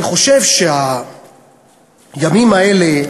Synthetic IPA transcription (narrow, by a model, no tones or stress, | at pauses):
iχo̞ʃe̞vʃea | jamimae̞le̞